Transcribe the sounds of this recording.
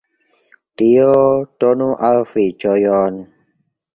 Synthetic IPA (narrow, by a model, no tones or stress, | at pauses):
t̪iotɔnuʔalfit͡ʃɔjɔn